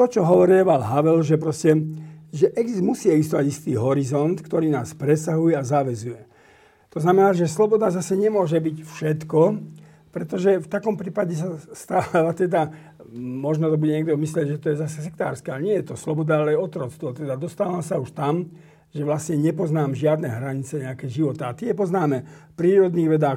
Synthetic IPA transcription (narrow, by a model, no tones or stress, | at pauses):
t̪ɔt͡ʃɔɦɔʋɔɾiɛʋalɦaʋɛlʒɛpɾɔscɛʒɛʔɛɡzimusiːɛɡzist̪ɔʋaɟist̪iːɦɔɾizɔnt̪kt̪ɔɾiːnaːspɾɛsaɦujɛazaʋɛzujɛ | t̪ɔznamɛnaːʒɛslɔbɔd̪azasɛɲɛmʊɔʒɛbicfʃɛt̪kɔ | pɾɛt̪ɔʒɛft̪akɔmpɾiːpaɟɛs̬ast̪aːaʋat̪ɛd̪a | mɔʒnɔt̪ɔbuɟɛɲɛɡd̪ɔmislɛɟʒɛt̪ɔjɛzasɛs̬ɛkt̪aːɾskɛalɲɪɛjɛt̪ɔslɔbɔd̪aalɛɔt̪ɾɔt͡sst̪ʋɔt̪ɛd̪ad̪ɔst̪aːʋamsauʃt̪am | ʒɛʋlasɲɛɲɛpɔznaːmʒɪad̪nɛɦɾaɲit͡sɛɲɛakɛʒiʋɔt̪aːt̪ɪɛpɔznaːmɛpɾiːɾɔd̪niːɣʋɛd̪aː